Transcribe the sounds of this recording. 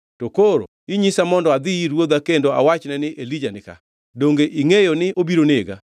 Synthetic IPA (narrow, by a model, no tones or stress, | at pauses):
tokoɾo̰ | iɲisamɔndɔad̪ɪiɾwod̪akendoa̰wat͡ʃnɛnɪʔelid͡ʒanɪka̰ | doŋɡeʔiŋejonɪʔobiɾonɪeɡa̰